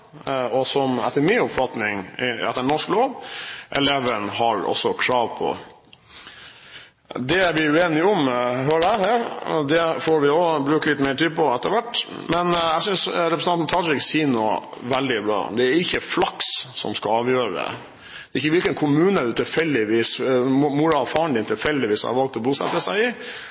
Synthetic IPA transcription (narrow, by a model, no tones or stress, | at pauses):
ɔsɔmɛ̰t̪ːəɾmɪnʊpfɑt̪nɪŋɪɛ̰t̪ːəɳnɔʂkloːʋʔɛ̰leːʋənhɑɾɔ̰sːɔkʰɾɑːʋpʰɔ̰ | d̪ɛæɾʋɪʉeːnɪɔmɦøːɾəæhæːɾd̪ɛfoːɾʋɪoːbɾʉːklɪt̪ːmɛɪʈiːd̪̚pʰɔɛt̪ːəɾʋæʈː | mɛnæɪsʏnsɾɛpɾəsɑnn̩t̪ʰɑɾɪksiːnɔʋɛld̪ɪbɾɑ̰ːd̪ɛæɾɪçːəflɑkssɔ̰mskɑɑːʋjøːɾə̰ | d̪̥ɛɪçːəʋɪlkənkʰʊmʉːnəd̪ʉt̪ʰɪlfɛlːɪʋiːsmuɾɑfɑːɳd̪ɪnt̪ʰɪlfɛlːd̪ɪʋiːsɑ̰ʋɑlkt̪ɔbuːsɛ̰t̪ːəsæɪɪ